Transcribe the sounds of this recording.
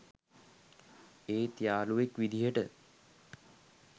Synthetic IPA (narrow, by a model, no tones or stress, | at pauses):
eːt̪jaːluʋekʋid̪ʱijəʈə